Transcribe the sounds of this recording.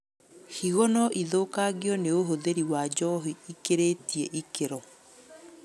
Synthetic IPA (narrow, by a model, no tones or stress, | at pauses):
hiɣɔnɔʔiðoːkaɣiɔneoɦoðeɾiwad͡ʑɔɦiikeɾetiɛʔikeɾɔ